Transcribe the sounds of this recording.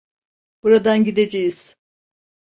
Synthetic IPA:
b̥uɾad̪anɟid̪ed͡ʒejiz̥

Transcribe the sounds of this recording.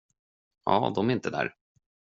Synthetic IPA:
ʔɑ̰ːd̪ɔmæɾɪnt̪əd̪æ̰ːɾ

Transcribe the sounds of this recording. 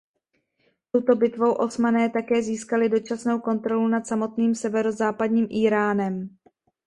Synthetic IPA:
t̪owt̪o̞bɪt̪vo̞wʔo̞smanɛːt̪akɛːziːskalɪdo̞t͡ʃasno̞wko̞nt̪ɾo̞lunat̪samo̞t̪niːmsɛvɛɾo̞zaːpadɲiːmʔiːɾaːnɛm

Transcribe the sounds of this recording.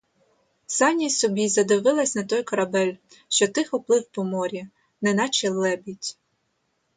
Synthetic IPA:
sɑnʲisɔbʲizɐd̪ɪʋɪlˠɐsʲnɐt̪ɔjkɔɾɐbɛlʲ | ʃt͡ʃɔt̪ɪxɔplˠɪwpɔmɔɾʲi | nɛnɑt͡ʃilˠːɛbʲitʲ

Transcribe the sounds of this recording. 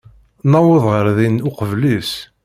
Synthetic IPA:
nɑwəðˤʁəɾðinʊqəvlis

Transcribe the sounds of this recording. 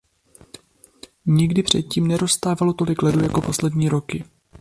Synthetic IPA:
ɲɪɡdɪpr̝̥ɛ̰t̪̚ciːmnɛɾo̞st̪aːvalo̞t̪o̞lɪklɛdujako̞po̞slɛdɲiːɾo̞kɪ

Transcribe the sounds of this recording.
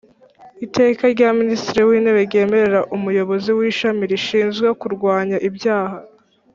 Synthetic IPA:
ite̞ːkaɾɟaministiɾiwiːneβeɾɟe̞ːme̞ɾe̞ɾaʔumujo̞βo̞ziwiːʃamiɾiʃiːnzɡwekuɾɡwaːɲaʔibɟaːha

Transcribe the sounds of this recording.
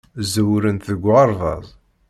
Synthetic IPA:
zəwɾənt̪ðəɡʷːɑɾˤðˤɑ̰ðˤ

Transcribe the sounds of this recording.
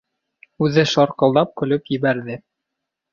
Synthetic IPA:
ʉðɘʃɑɾqɤ̆lˠd̪ɑp̚kɵ̆lɵpjɘ̆βæɾðɘ

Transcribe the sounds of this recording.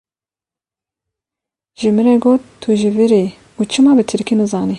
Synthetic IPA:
ʒɨmɨɾɛɡoːt̪ːʰuʒivɨɾi | ut͡ʃʰɨmɑːbɨt̪ʰɨɾkʰinɨzɑːni

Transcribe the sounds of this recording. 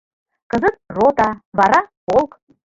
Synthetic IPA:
kə̆zət̪̚rot̪ɑβɑɾɑpolˠk

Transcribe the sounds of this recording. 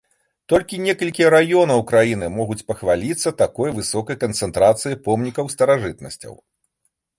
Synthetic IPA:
t̪ɔlʲkʲinʲɛkɐlʲkʲiɛɾajɔnɐwkɾajinɨmɔɣut͡sʲpɐxvalʲit̪sːɐt̪akɔjvɨsɔkɐjkɐnt̪sɛnt̪ɾat̪sɨjipɔmnʲikɐwst̪ɐɾaʐɨt̪̚nɐ̰sʲt͡sʲɐ̰w

